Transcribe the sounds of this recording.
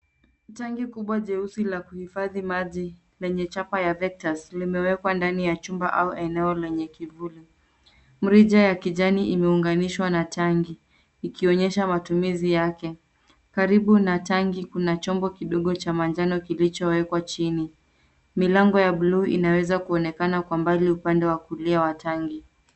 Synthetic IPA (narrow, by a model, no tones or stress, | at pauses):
taŋɡikuɓwaʄɛusilakuhifaðimaʄi | lɛɲɛt͡ʃapajavɛk̚taslimɛwɛkwandanijat͡ʃumba̰ʔauʔɛnɛɔlɛɲɛkivuli | m̩ɾiʄajakiʄaniʔimɛuŋɡaniʃwanatʰaŋɡiː | kiɔɲɛʃamatumizijakɛ | kaɾiɓunataŋɡikunat͡ʃɔmbɔkiɗɔɠɔt͡ʃamand͡ʒanɔkilit͡ʃɔwɛkwat͡ʃini | milaŋɡɔjaɓluːʔḭnawɛzakuɔnɛkanakwambaliupandɛwakuliawataŋɡi